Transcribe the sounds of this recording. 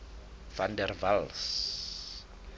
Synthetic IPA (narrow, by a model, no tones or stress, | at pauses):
fandɛrvals